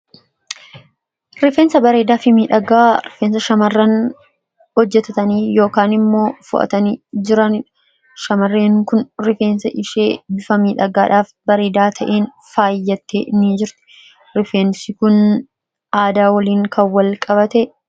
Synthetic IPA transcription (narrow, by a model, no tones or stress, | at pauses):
ɾɪfeːnsɐbɐɾe̞ːd̪aːfɪmiːᶑɐɡaːɾɪfeːnsɐʃɐmɐrːɐn | hɔd͡ʒːɛt̪ɐt̪ɐniːjo̞ːkaːnɪmːo̞ːfʊ̰ʔɐ̰t̪ɐniːd͡ʒɪɾɐnɪ | ʃɐmɐrːeːŋkʊnɾɪfe̞ːnsɐʔɪʃeːbɪfɐmiːᶑɐɡaːᶑaːf | bɐɾe̞ːd̪aːt̪ʰɐʔeːn | faːjːɐt̪ːḛːniːd͡ʒɪɾt̪ɪ̥ | ɾɪfeːnsɪkʊn | aːd̪aːwɐliːŋkʰɐwːɐlkʼɐbɐt̪ɛ